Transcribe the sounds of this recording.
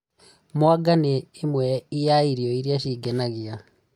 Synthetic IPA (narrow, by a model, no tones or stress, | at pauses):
mwaɡaneːmwɛijaiɾiɔiɾiaɕiːɡɛnaɣia